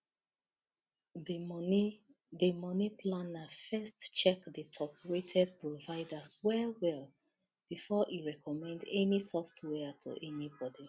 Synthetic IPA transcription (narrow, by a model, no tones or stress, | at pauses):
dəmɔnipʰlãnafɛstt͡ʃɛkdətʰɔpʰɹetʰɛd̚pɹovaɪdaswɛwɛl | b̥ifɔʔiɹɛkʰɔmɛ̃ndɛnisɔftwɛtʰṵʔɛnibɔdi